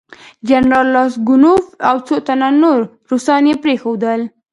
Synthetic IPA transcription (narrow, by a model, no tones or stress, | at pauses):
d͡ʒanɾɑlːɑsɡʊnofawt͡sot̪ananoɾ | ɾosɑnepɾexod̪əl